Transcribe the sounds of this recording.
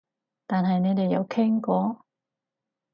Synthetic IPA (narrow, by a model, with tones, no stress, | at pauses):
t̪aː˨nɦɐ˨jne˨˧jt̪e˨jːɐ̰˧wkʰɛ˥ŋkɔː˨˥